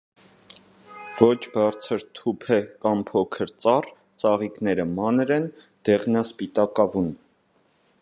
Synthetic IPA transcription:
v̥ɔt͡ʃʰbɑɾt͡sʰəɾt̪ʰupʰɛkɑmpʰɔkʰəɾt͡sɑr | t͡sɑʁiknɛɾəmɑnɾɛn | d̪̥ɛʁnɑspit̪ɑkɑvun

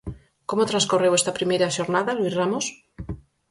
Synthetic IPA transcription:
komot̪ɾaskorewest̪apɾimeɾaʃoɾnaðalwizramos

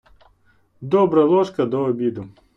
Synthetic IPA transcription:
d̪ɔbɾɐlˠɔʂkɐd̪ɔːbʲid̪ʊ

